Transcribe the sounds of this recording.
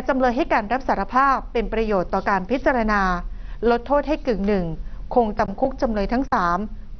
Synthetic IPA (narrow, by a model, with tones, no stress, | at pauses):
t͡ɕa˧mlɤː˧jɦa˥˩jkaː˧nɾa˦˥p̚saː˩˦ɾa˧˥pʰaː˥˩pːe˧npɾa˧joː˨˩t̪ːɔː˨˩kaː˧npʰi˦˥t̪̚t͡ɕa˧ɾa˧naː˧lo˦˥t̪ʰːoː˥˩t̪̚ha˥˩jkɯ˨˩ŋnɯ˨˩ŋkʰoː˧ŋt͡ɕa˧mkʰu˦˥k̚t͡ɕa˧mlɤː˧jt̪ʰa˦˥ŋsaː˩˦m